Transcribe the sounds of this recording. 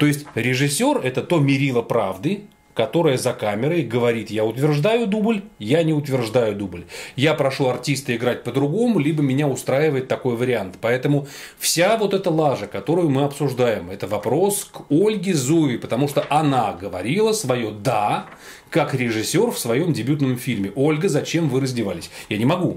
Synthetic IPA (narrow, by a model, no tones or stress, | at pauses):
t̪o̞jɪsʲtʲɾʲɪʐɨsʲːorɛt̪ət̪o̞mʲɪɾʲilˠəpɾavd̪ɨ | kɐt̪o̞ɾəjəzɐkamʲɪɾəjɡəvɐɾʲit̪jaʊt̪vʲɪrʐd̪ajʊd̪ublʲjanʲɪʊt̪vʲɪrʐd̪ajʊd̪ublʲjapɾɐʂuɐrtʲist̪əɪɡɾat̚ʲpəd̪ɾʊɡo̞mʊlʲibəmʲɪnʲaʊst̪ɾajɪvəjɪt̪ːɐko̞jvəɾʲɪant̪pɐɛt̪əmʊfsʲavo̞t̪ɛt̪əlˠaʐəkɐt̪o̞ɾʊjʊmɨɐpsʊʐd̪ajɪmɛt̪əvɐpɾo̞skolʲɡʲɪzuvʲɪpət̪ɐmuʂt̪oʔɐnaɡəvɐɾʲilˠəsvɐjo̞d̪a | kakɾʲɪʐɨsʲːo̞rfsvɐjo̞mdʲɪbʲut̪nəmfʲilʲmʲɪʔo̞lʲɡəzɐt͡ɕe̞mvɨɾəzʲdʲɪvalʲɪsʲjanʲɪmɐɡu